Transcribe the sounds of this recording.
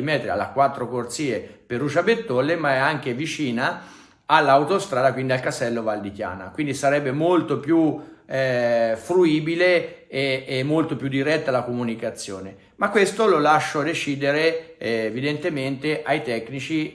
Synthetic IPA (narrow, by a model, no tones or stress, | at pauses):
imɛt̪ːɾea̰lːa̰kwat̪ːɾokort̪siːeperːut͡ʃabet̪ːɔlːemaɛaŋk̟evit͡ʃiːnaː | lːaːwt̪ost̪ɾaːd̪akwind̪ialkasɛlːovald̪ikja̰ːna̰kwind̪isaɾɛbːemolt̪opju | fɾuiːbileeːmːolt̪opjud̪ːiɾɛt̪ːalakomunikat̪sːjoːne | makːwest̪ololaʃːod̪et͡ʃiːd̪eɾeːvid̪ent̪ement̪eʔajt̪ɛkːnit͡ʃi